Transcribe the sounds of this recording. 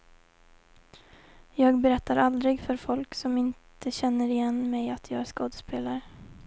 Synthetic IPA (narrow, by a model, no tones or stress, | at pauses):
jɑːɡbɛɾɛt̪ːaɾʔald̪ɾɪɡfœɾfɔlksɔmɪntt̪ʰəɕɛnːəɾɪjɛnːmɛjat̪ʰjɑːɡæɾʂkoːd̪əspʰeːlaɾə